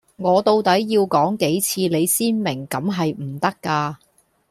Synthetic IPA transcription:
ŋɔː˨˧t̪o˧wt̪ɐ˨˥jːiː˧wkɔː˨˥ŋke˨˥jt͡sʰiː˧le˨˧jsiː˥nmɪ˨˩ŋkɐ˨˧˥mɦɐ˨jm̩˨˩t̪ɐ˥kːaː˧

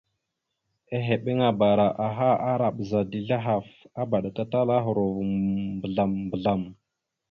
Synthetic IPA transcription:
e˦ɦe˨ɓe˦ŋa˨ba˨ɾa˨ʔa˨ɦa˦a˦ɾa˨ɓza˨di˨ɮa˦ɦa˨fa˦ba˨ɗa˨ka˦ta˦la˦ɦu˨ɾo˨vu˨bə˨ɮa˨mbə˨ɮa˨m

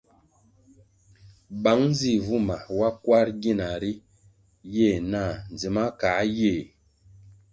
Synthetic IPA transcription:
ba˨˦ŋn˦zi˦˨vu˦ma˨wa˦kwa˦ɾɡi˦˨na˨ɾi˦ | je˦˨na˦˨n˨d͡zi˨ma˦ka˨˦je˦˨

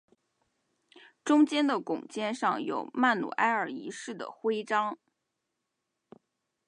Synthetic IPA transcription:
ʈ͡ʂʊ˥ŋt͡ɕjɛ˥nd̪ə˨kʊ˨˩ŋt͡ɕjɛ˥nʂɑ˥˩ŋjo̰˨˩ʊma˥˩nnṵ˨˩ʔa˥ɪə˞˨˩i˧˥ʂɻ̩˥˩d̪ə̰˩xwe˥ɪʈ͡ʂɑ˥ŋ

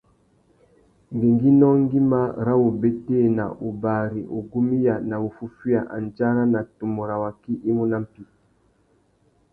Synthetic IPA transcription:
ŋɡe˨ŋɡi˦nɔ˦ŋ˦ɡi˦ma˦˨ɾa˦wo˨be˦te˦˨na̰˨ʔu˨ba˨ɾi˨ʔo˨ɡu˦mi˦ja˨na˨u˨fu˦fi˦a˨ʔa̰˨n˨d͡ʒa˦ɾa˦na˨tu˨mo˨ɾa˨wa˨ki˦ʔi˦mu˦na˦m̩˦pi˦

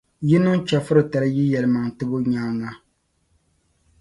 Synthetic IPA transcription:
jɪ˦nʊ˦ŋ˦t͡ʃa˨fɨ˦ɾɨ˨ta˨lɨ˦ji˦jɛ˨lɨ˨ma˨ŋtɨ˦bʊ˦ɲaː˦ŋa˦

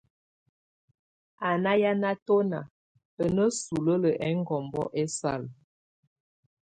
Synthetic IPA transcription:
a˨na˦ja˦na˦to˦na̰˨ | ə˨nə˦su˨lə˦lə˨ʔɛ˨˦ŋ˦ɡɔ˨mbɔ̰˦ʔɛ˦sa˦˨l

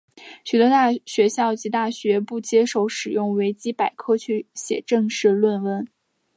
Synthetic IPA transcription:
ɕy˨˩t̪ɔ˧˥t̪a˥˩ɕɥɛ˧˥ɕjɑ˥˩ʊt͡ɕi˧˥t̪a˥˩ɕɥɛ˧˥pu˥˩t͡ɕjɛ˥ʂo˥˩ʊʂɻ̩˨˩jʊ˥˩ŋwe˧˥ɪt͡ɕi˥pa˨˩ɪkʰɤ˥˧t͡ɕʰy˥˩ɕjɛ̰˨˩ʈ͡ʂɤ˥˧ŋʂɻ̩˥˧lwə˥˧nwə˥˩n

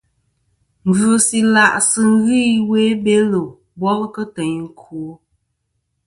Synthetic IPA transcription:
m̩˨vu˨˦˨si˨la˨ʔsɨ˨ŋ˦ɣi˦we˦be˦lo˨ | bɔ˦lkə˦tə˨ɲŋ̩˨kʰu˨o˦

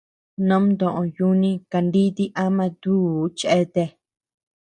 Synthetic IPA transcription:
nõ˦mnd̪õ˨ʔõ˧ju˦˧nĩ˦ka˧nd̪i˦t̪i˦ʔa˦mã˧t̪u˦˨˦t͡ʃʔe˦t̪e˧

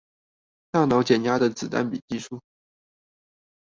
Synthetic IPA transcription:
t̪a˥˩nɑ˧˥ʊt͡ɕjɛ˨˩nja˥d̪ə˨t͡sɹ̩˨˩t̪a̰˥˩npi˨˩t͡ɕi˥˧ʂu˥˩

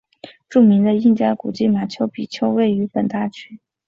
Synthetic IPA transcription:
ʈ͡ʂu˥˩mi˧˥ŋd̪ə˧i˥˧ŋt͡ɕja˥ku˨˩t͡ɕi˥˩ma˨˩t͡ɕʰjo˧˥ʊpi˨˩t͡ɕʰjo˥ʊwe˥˩ɪy˧˥pə˨˩nt̪a˥˩t͡ɕʰy˥

